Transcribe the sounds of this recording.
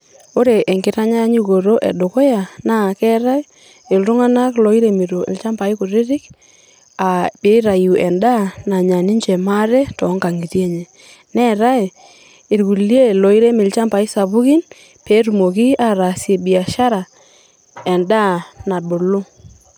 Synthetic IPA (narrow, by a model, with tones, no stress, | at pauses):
o˦ɾe˨ʔe˨ŋkɪ˨ɾa˦ɲa˦ɲi˦ɣo˨ɾo˦ʔɛ̰˨do˨ko˦ja˨na˦˨kɛ˦ɾa˦e˦ | ɪ˨ltʊ˦ŋa˦na˦klɔ˨i˦ɾe˨mi˨ɾo˨ɪ̰˨lt͡ʃa˦mpa˨i˦ku˨ɾɪ˦ɾɪ˦k | a˨pe˦ɾa˨ju˨ɛ˨nda˦na˨ɲa˨ni˦ɲt͡ʃɛ˨ma˦ɾɛ˦tɔ˨˦ŋka˨ŋi˨tje˦ɲe˨ | nɛ˦ɾa˦e˨ | ɪ˨ɾku˨lje˦˨lɔ˨i˦ɾe˦mɪ˨lt͡ʃa˦mpa˨i˦sa˨βu˦ki˦n | pe˨˦ɾu˨mo˨ki˦a˦ɾa˨se˨bi˨a˨ʃa˦ɾa˨ | ɛ˨nda˦na˨ɗo˨lo˦